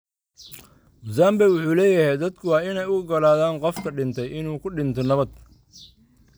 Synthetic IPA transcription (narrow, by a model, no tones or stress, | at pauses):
zaːmbɛwʊħuːlɛːjɐhɛjd̪ɐd̪kʰʊwɑːɪnɛjʊɣʊɡɐlaːðaːŋqɔfk̪ʰɐɖɪnt̪ʰɛjɪnuːkʰʊɖɪnt̪ʰɔnɐβɐd̪̚